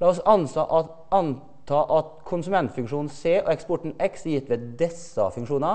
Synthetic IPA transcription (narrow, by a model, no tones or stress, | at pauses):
lɑːɔsɑnsɑːʔɑ | ɑn | t̪ʰɑːʔɑt̪kʰʊnsʉmɛnt̪fʉŋkʂuːn̩seːʔoɛkspɔʈɳ̩ɛksjɪt̪ːʋɛd̪ɛsːɑ̰fʉŋkʂuːnɑ